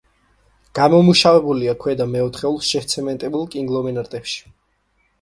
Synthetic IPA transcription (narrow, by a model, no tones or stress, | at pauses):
ɡ̥amɔmuʃavɛbuliakʰwɛd̪amɛɔt̪ʰχɛulˠsʃɛht̪sʰɛmɛnt̪ʼɛbulˠkʼiŋɡlˠɔmɛnaɾt̪ʼɛpʃi̥